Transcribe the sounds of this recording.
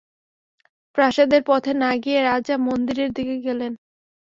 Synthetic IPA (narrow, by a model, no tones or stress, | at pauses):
pɾaʃad̪eɾpɔt̪ʰenaɡieɾad͡ʑamond̪iɾeɾd̪ikeɡelen